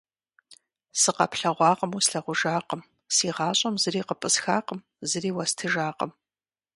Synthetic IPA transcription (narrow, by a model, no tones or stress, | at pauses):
sɨqɐ̰pɬɐʁʷɑːqʼəmusɬɐʁʷʊʒaːqəm | siːʁɑːɕʼɐmzɨriːqəpʼɨsxaːqəm | zɨɾiːwɐstʰɨʒaːqə̰m